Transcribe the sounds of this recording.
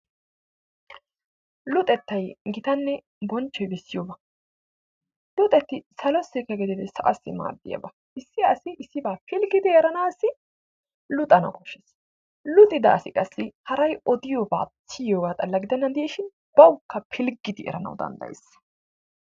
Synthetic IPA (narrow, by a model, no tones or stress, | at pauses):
lʊt̪ʼɛt̪ːɐjɡɪt̪ɐnːɛ | bɔnt͡ʃːɔjbɛsːɪjoːbɐ | lʊt̪ʼɛt̪ːɪsɐlɔsɪkːɐɡɪd̪ɪd̪ɛsɐʔɐsːɪ̰ma̰ːd̪ːɪ̰jɐ̰bɐ | ɪsːɪɐsɪʔɪsːɪbaːpʰɪlɡɪd̪ɪɛɾɐnaːsːɪ | lʊt̪ʼɐnɐ̰kɔʃːɛs | lʊt̪ʼɪd̪ɐɐsɪkʼɐsːɪhɐɾɐjɔd̪ɪjoːba̰ːt͡sːɪjoːɡaːt̪ʼɐlːɐɡɪd̪ɛnːɐnd̪ɛjɛʃɪn | b̥ɐwʊkːɐpʰɪlɡɪd̪ɪʔɛ̰ɾɐnɐ̰wd̪ɐ̰nd̪ɐ̰jḛs